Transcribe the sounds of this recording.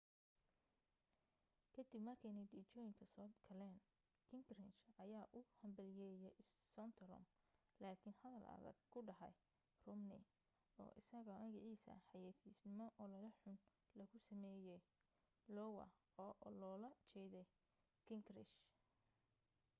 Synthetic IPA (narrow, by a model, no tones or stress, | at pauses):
kʰɐd̪ɪbmɐrkʰɛnɐd̪iːt͡ʃɔːjɪŋkʰɐsɔːkʰɐlɛːn | kʰɪŋkɾɪnt͡ʃɐjaːʔʊhɐmbɐljɛːjɛssɔnt̪ʰɐɾɔ̰m | laːkʰɪnhɐðɐlɐ̰ðɐ̰ɡ̚kʰʊɖɐɦɐ̰j | rʊmnɪ̰ | ɔ̰ːʔɪsɐɣɐmɐɣɪʕiːsɐ̰ħɑjɛːsisnɪmɔʔɔːlɐlɐħʊn | lɐɣʊsɐmɛːjɛj | lɔwɐ̰ | ɔːlɔːlɐt͡ʃɛːðɛj | kʰɪŋkrɪʃ